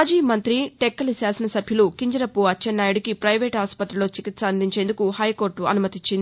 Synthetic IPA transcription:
aːd͡ʒiːmɐnt̪ɾiʈekːɐlisaːsɐnɐsɐbʱjɐlukiɲd͡ʒɐɾɐpːuɐt͡ʃːɐnːaːjuɽikipɾɐjʋeːʈɦaːspɐt̪ɾiloːt͡ʃikit̪sɐɐnd̪ʱiɲt͡ʃe̞ːnd̪ukuhɐjko̞ːɾʈːuɐnumɐt̪iɲt͡ʃːind̪i

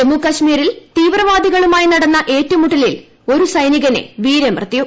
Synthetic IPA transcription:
emukɐɕmiːɾilt̪iːʋrɐʋaːd̪iɣɐɭumaːjinɐɽɐnːɐʔe̞ːtːɐmuʈːɐlil | o̞ɾusɐjniɣɐne̞̰ʋiːɾemrɐt̪ːiju

